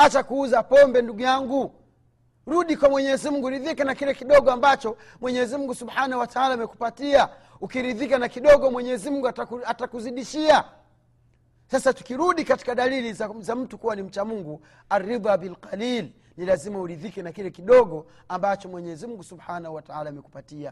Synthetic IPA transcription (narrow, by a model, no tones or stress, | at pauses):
at͡ʃakuuzapɔmbɛnduɡujaŋɡu | ɾuɗikwamwɛɲɛzimuŋɡuɾiðikanakilɛkiɗɔɠɔambat͡ʃɔ | mwɛɲɛzimuŋɡusubhanauwataalaamɛku̥patia | ukiɾiðikanakiɗɔɡɔmwɛɲɛzimuŋɡuaatakuziɗiʃia | sasatu̥kiɾuɗikati̥kaɗalilizzam̩tukuwanim̩t͡ʃamuŋɡu | arːibabilqaliːl | nilazimauɾiðikɛnakilɛkiɗɔɡɔ | ambat͡ʃɔmwɛɲɛzimuŋɡusubhanahuwataalamɛkupatia